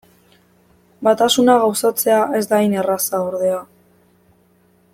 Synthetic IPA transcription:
bat̪asunaɣawsat͡se̞aʔe̞zd̪ajne̞rasaoɾðe̞a

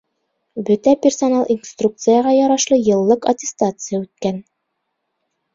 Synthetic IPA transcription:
bɵt̪æpʲɪrsonalˠinst̪ruk̚t̪sɨjəʁɑjɒɾɑʃlˠɤjɤ̆lˠːɤqɐtʲɪst̪at̪sɨjəʉt̪̚kæn

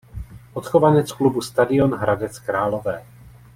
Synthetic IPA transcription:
ʔot̪xovanɛt͡sklubust̪adɪo̞nɦɾadɛt͡skɾaːlo̞vɛː

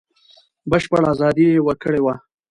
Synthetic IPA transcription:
bəʃpəɽɑzɑd̪iewəɾkəɽewa

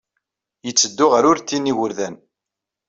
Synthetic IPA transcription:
jət͡sːəd̪ːʊʁæɾʊɾt̪ːiniwəɾðæn

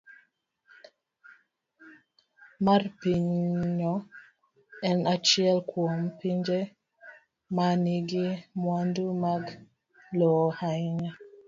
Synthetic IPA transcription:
marpiɲɲɔ | ɛnat͡ʃiɛlkwɔmpiɲd͡ʒe | maniɡimwandumaɡ | lɔhajɲa

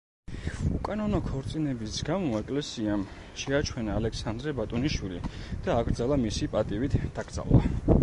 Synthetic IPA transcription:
ukʼanɔnɔkʰɔɾt̪sʼinɛbisɡamɔɛkʼlɛsiam | ʃɛat͡ʃʰwɛnaːlɛksand̪ɾɛbat̪ʼɔniʃwilḭd̪̥aːɡɾd̪zalˠamisipʼat̪ʼivit̪ʰd̪̥aɡɾd̪za̰lˠa̰

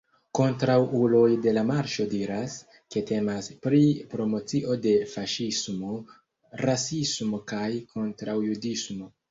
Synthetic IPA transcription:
ko̞ntɾawulo̞jde̞lamaɾʃo̞diɾas | ke̞te̞maspɾipɾo̞mo̞t͡siʔo̞de̞faʃismo̞ | ɾasismo̞kajkʰo̞ntɾawjudismo̞

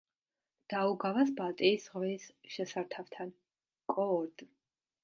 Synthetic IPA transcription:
d̪̥auɡavasbalt̪ʼiːsʁvɛsʃɛsaɾt̪ʰavt̪ʰan | kʼɔːɾd̪

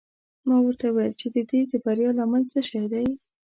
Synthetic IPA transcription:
mɑwəɾt̪awajlt͡ʃed̪əd̪ed̪əbaɾjɑlɑmalt͡səʃajd̪aj

